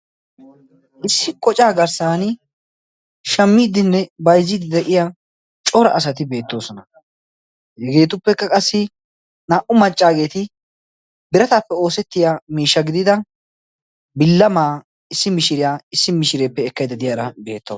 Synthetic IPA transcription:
ʔɪsːɪkʼɔt͡ʃʼaːɡɐɾsaːnɪ | ʃɐmːiːd̪ɪnːɛbɐjzːɪd̪ɪd̪ɛʔɪjaː | t͡ʃʼɔɾɐʔɐsɐt̪ɪbe̞ːt̪ːo̞ːsɔnɐ | hɛɡe̞ːt̪̬ʊpːɛkːɐkʼɐsːɪ | naːʔʊmɐt͡ʃʼːaːɡe̞ːt̪ɪ | bɪɾɐt̪aːpːɛo̞ːsɛt̪ːɪjaːmiːʃːɐɡɪd̪ɪd̪ɐ | bɪlːɐmaː | ɪsːɪmɪʃɪɾɪjaːɪsːɪmɪʃɪɾe̞ːpːɛːkːɐjd̪ɐd̪ɪjaːɾɐbe̞ːt̪ːɐ̰

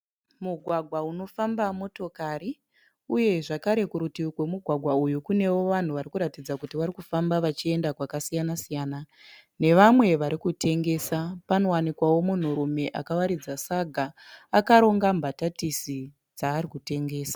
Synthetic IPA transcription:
muɡʱwaɡʱwauno̞fambamo̞to̞kaɾi | uje̞ʐakaɾe̞kuɾutikwe̞muɡʱwaɡʱwaujukune̞wo̞ʋan̤uʋaɾikuɾatid͡zakutiʋaɾikufambaʋat͡ʃie̞ndakwakasijanasijaːna | ne̞ʋamwe̞ʋaɾikute̞ŋɡe̞ːsapano̞wanikwawo̞mun̤uɾume̞ʔakawaɾid͡zasaɡʱaː | kaɾo̞ŋɡambʱatatisi | d͡zaːɾikute̞ŋɡe̞ːsḁ

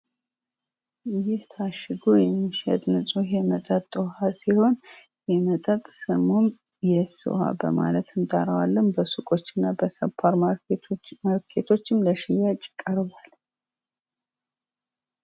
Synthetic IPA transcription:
jɪht̪ʰaʃɨɡujɛmːiʃɛ̰t̪ʼnɨsʼujɛmət̪ʼət̪ʼːɨhasiho̞n | jɛmət̪ʼət̪ʼsɨmum | jɛsɨ̰wha̰bə̰ma̰lət̪ʰɨnt̪ʼaɾəwalːənbəsukʼo̞t͡ʃːɪnːabəsəpʰːaɾ | məɾkʰet̪ʰo̞t͡ʃːɨmləʃɪjːat͡ʃʼɪ̥kʼəɾβal

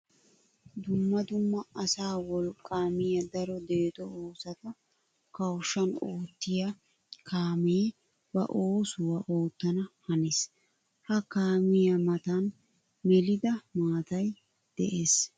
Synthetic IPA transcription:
d̪ʊmːɐd̪ʊmːɐɐsaːwɔlkʼːaːmɪjɐd̪ɐɾɔd̪e̞ːt̪ɔoːsɐt̪ɐ | kɐwʃːɐnoːt̪ːɪjɐ | kʰaːmɪj | bɐ̰ʔoːsʊwɐʔoːt̪ːɐnɐhɐnes | hɐkaːmɪjɐmɐt̪ɐn | mɛlɪd̪ɐmaːt̪ɐj | d̪̥ɛ̰ʔe̞ːs

